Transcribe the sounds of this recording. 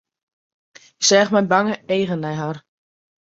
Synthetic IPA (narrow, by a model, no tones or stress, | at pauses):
ɪksɛːχmɛjbaŋəeːɣənɛjɦar